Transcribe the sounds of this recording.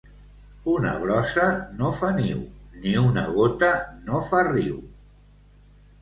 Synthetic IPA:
unə̰βɾɔsənofaniwniunəɣot̪ənofariw

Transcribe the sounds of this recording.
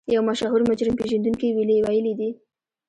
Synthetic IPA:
jawmaʃɑɦuɾmʊd͡ʒɾɪmpeʒand̪uŋkiwiliwajəlid̪i

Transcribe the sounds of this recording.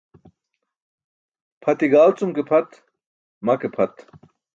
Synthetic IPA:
pʰɐt̪iɡaːlt͡sumkepʰɐt̪ | mɐkepʰɐt̪

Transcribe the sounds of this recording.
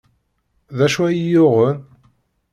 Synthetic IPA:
ðæʃwæjjʊʁən

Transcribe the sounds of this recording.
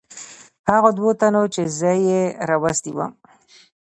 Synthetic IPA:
haɣod̪wot̪anot͡ʃezəjeɾɑwast̪iwə̰m

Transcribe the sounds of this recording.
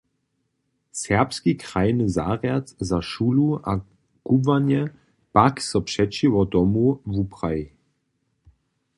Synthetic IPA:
sɛʁpskikʁajnəzaːʁjat̪zaʃulua | ɡ̥ubvanɛ | paksɔpʂɛt͡ʃivɔd̪ɔmuvupʁaji

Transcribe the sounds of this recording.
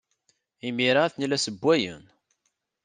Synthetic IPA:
imiɾaθnilæsəbːæjə̰n

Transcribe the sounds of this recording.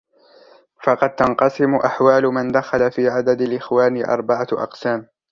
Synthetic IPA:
fɑqɑd̪̚t̪ɑnqɑsɪmʊʔaħwaːlʊmand̪axalafiːʕad̪ad̪alʔɪxwaːnɪʔɑ̰ɾˤbaʕaʔɑ̰qsaːm

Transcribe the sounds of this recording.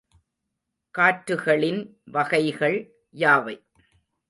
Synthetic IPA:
kaːʈɾɯɣɐɭɪnʋɐɣɐɪɣɐɭ | jaːʋɐɪ

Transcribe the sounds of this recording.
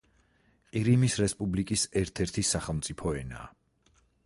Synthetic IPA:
qʼiɾimisɾɛspʼublikʼisɛɾt̪ʰɛɾt̪ʰisaχɛlˠmt̪sʼipʰɔɛna̰ː

